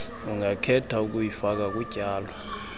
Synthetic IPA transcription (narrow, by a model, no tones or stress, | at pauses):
uŋakʰɛtʰauk̬ujifak̬ak̬uɟ̥ʱaːlwa